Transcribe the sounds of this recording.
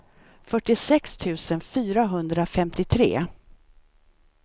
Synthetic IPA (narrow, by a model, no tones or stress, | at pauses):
fœʈːɪsɛkst̪ʰʉ̟ːsənfyːɾaɦɵnd̪ɾafɛmt̪ɪt̪ʰɾḛː